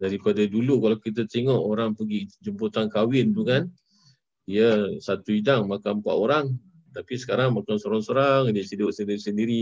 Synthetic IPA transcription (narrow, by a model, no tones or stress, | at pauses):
daɾipadadulukalawkit̪̬ət̪eŋɔʔoɾaŋpəɡid͡ʒəmput̪ankawɪnt̪ukan | diəsat̪uidaŋmakanpa̰ʔoɾaŋ | t̪apisə̥kaɾaŋmakansoɾaŋsoɾaŋdəsidʊʔsəndiɾisəndiɾi